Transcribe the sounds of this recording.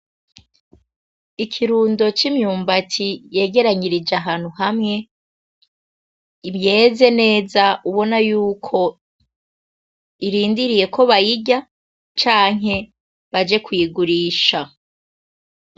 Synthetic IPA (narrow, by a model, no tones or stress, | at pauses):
ikʰiɾuːndo̞t͡ʃimɲuːmbatʰije̞ːɡe̞ɾaɲiɾid͡ʒaɦaːn̥huhamŋe̞ | iβje̞ze̞ne̞ːzaʔuβo̞najuːkʰo̞ | iɾiːndiɾije̞kʰo̞βajiɟa | t͡ʃaːŋɦe̞ | βad͡ʒe̞kwiːɡuɾiːʃa